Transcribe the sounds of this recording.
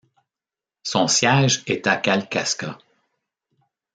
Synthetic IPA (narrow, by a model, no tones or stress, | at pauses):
sɔ̃sjɛʒɛt̪akʲalkaska